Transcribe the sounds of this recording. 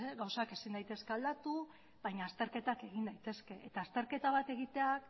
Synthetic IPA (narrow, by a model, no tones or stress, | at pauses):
ɣawsake̞sind̪ajt̪e̞ske̞ald̪at̪u | βajɲaːst̪e̞ɾke̞t̪ake̞ɣ̞ind̪ajt̪e̞ske̞ʔet̪aːst̪e̞ɾke̞t̪aβ̞at̪e̞ɣ̞it̪e̞ak